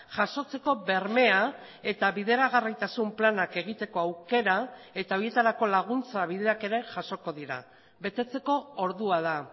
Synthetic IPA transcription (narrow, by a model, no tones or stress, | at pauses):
ʝaso̞t͡se̞ko̞βe̞ɾme̞a | e̞t̪aβiðe̞ɾaɣ̞arijt̪asumplanake̞ɣ̞it̪e̞ko̞awke̞ɾae̞t̪ao̞ɾje̞t̪aɾako̞laɣ̞unt͡saβ̞iðe̞ake̞ɾe̞ʝaso̞ko̞ðiɾa̰ | βe̞t̪e̞t͡se̞ko̞ːɾðuað̞a